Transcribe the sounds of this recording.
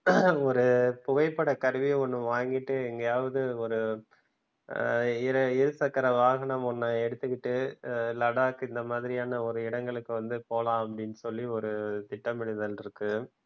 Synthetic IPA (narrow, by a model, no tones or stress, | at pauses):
ɔɾɯpʊɣɐɪpːɐɽɐkɐɾɯʋiɔnːɯ̃ʋaːŋɡɪʈːɯɛŋɡɐjaːʋɐðɯɔɾɯ | ɪɾɐɪɾɯsɐkːɐɾɐʋaːɣɐnɐmɔnːaɛɽɯt̪ːɯkːɪʈːɯlɐɽaːkɯɪnd̪ɐmaːðɪɾɪjaːnɐɔɾɯɪɽɐŋɡɐɭɯkːɯʋɐnd̪ɯpoːlãːɐpːɐɽɪnːɯsɔlːiɔɾɯt̪ɪʈːɐmɪɻɪðɐlɪɾɯkːɯ